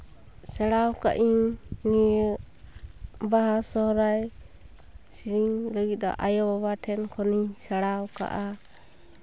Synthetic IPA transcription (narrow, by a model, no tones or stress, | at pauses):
sɛɽawka̰ʔiɲnij | baɦasɔɦɾaj | siɾiŋləɡit̪̚ˀd̪ɔ̰ʔajɔbabaʈʰɛnkʰɔnisaɽawka̰ʔa